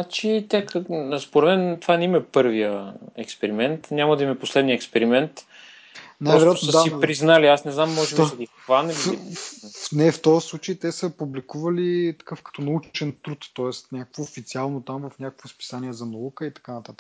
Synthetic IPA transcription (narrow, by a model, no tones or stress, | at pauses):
at͡ʃit̪ɛkspoɾɛd̪mɛnt̪ovanɛimɛpɤɾvijəɛkspɛɾimɛnt̪nʲamɐd̪ɐimɛposlɛd̪niəɛkspɛɾimɛnt̪ | naɔvɛɾat̪osəsaipɾiznaliasnɛznamːɔʒɛbsɐɡ̪ʲixxvanəli | nɛft̪ɔɾəslˠut͡ʃəjt̪ɛsəpublikuvɐlit̪ɐ̥kəfkɐ̥t̪ɔnɐut͡ʃɛnt̪ɾut̪ːɔɛst̪nʲakəkvoːfit̪sialˠnot̪amvɐfnʲakəkvospi̥saniɛzɐnɐukəit̪ɐ̥kanɐt̪at̪ə̥k